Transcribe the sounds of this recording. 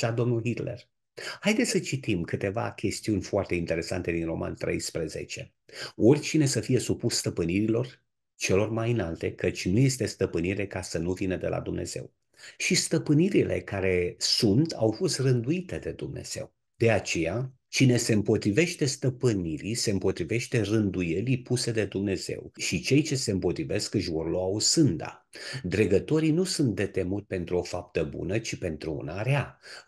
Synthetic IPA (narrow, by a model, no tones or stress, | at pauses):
ad̪o̞mnulɦit̪le̞̰r | hajd̪e̞t̪sət͡ʃit̪imkɨt̪e̞va̰kʲe̞st̪iunʲfoart̪e̞int̪e̞ɾe̞sa̰nt̪e̞d̪inro̞ma̰nt̪ɾe̞̰jspɾəze̞̰t͡ʃe̞̰ | o̞rʲt͡ʃine̞səfije̞supusst̪əpɨniɾilo̞r | t͡ʃe̞lo̞rmajɨnalt̪e̞kət͡ʃʲnuje̞st̪e̞st̪əpɨniɾe̞kasənuvinəd̪e̞lʔa̰d̪umne̞̰z̥e̞̰w | ʃist̪əpɨniɾile̞̰kaɾe̞sunt̪ʰawfo̞st̪rɨnd̪uit̪e̞d̪e̞d̪umne̞̰z̥e̞̰w | d̪̥e̞at͡ʃe̞ja | t͡ʃine̞se̞ɨmpo̞t̪ɾive̞ʃt̪e̞st̪əpɨniɾise̞ɨmpo̞t̪ɾive̞ʃt̪e̞rɨnd̪uje̞lipuse̞d̪e̞d̪umne̞z̥e̞̰wʃit͡ʃe̞jt͡ʃe̞se̞ɨmpo̞t̪ɾive̞skɨʃvo̞rloausɨnd̪a̰ | d̪ɾe̞ɡət̪o̞ɾinusunt̪̚d̪e̞t̪e̞mut̪ʲpe̞nt̪ɾuo̞fap̚t̪əbṵnət͡ʃipe̞nt̪ɾuṵnaɾea